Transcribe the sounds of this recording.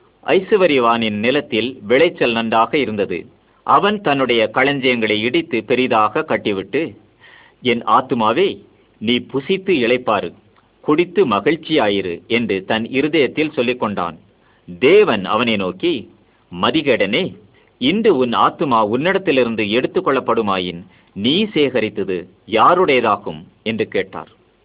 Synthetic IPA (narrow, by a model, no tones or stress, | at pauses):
ʔɐ̰ɪsɯʋɐɾɪʋaːnɪnnɪlɐt̪ːɪlʋɪɭɐɪt͡ʃːɐlnɐɳɖaːɣɐɪɾɯnd̪ɐðɯ̰ | ʔɐʋɐnt̪ɐnːɯɽɐjɐkɐɭɐɲd͡ʒɐjɐŋɡɐɭɐɪɪɽɪt̪ːɯpɛɾɪðaːɣɐkːɐʈːɪʋɪʈːɯ | ɛnaːt̪ɯmaːʋeː | niːpʊsɪt̪ːɯɪɭɐɪpːaːɾɯ | kʊɽɪt̪ːɯmɐɣɪɻt͡ʃːɪjaːjɪɾɯ̰ɛndrɯt̪ɐnɪɾɯðɐjɐt̪ːɪlsɔlːɪkːɔɳɖa̰ːn | d̪eːʋɐnɐ̰ʋɐnɐɪnoːki | mɐðɪɣɐɽɐneː | ɪndrɯʊnaːt̪ːɯmaːʊnːɪɽɐt̪ːɪlɪɾɯnd̪ɯɛɽɯt̪ːɯkːɔɭːɐpːɐɽɯmaːjɪn | niːseːɣɐɾɪt̪ːɐðɯ | jaːɾɯɽɐjɐðaːɣɯm | ɛndrɯkeːʈːa̰ːɾ